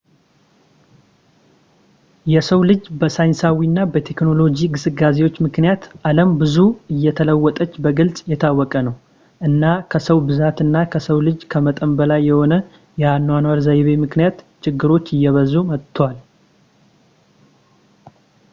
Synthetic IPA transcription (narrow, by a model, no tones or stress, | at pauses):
jɛsəwlɨd͡ʒbəsajnsawinːabət̪ʰe̞kno̞lo̞d͡ʒiɡɨsɨɡaze̞wo̞t͡ʃːmɨknijat̪ʔaləmbɨzuɨjːɛt̪ʰələwːɔt̪ʼət͡ʃːbəɡɨlsʼjɛt̪ʰawːɔkʼənəw | ʔɨnːakʰəsəwbɨzat̪ɨnːakʰəsəwlɨd͡ʒkʰəmət̪ʼəmbəlajːɛho̞nə | jɛanːwanaɾzajβe̞mɨknijat̪ | t͡ʃɪɡːɨɾo̞t͡ʃːɪjːɛβəzumət̪t̪ʰːwal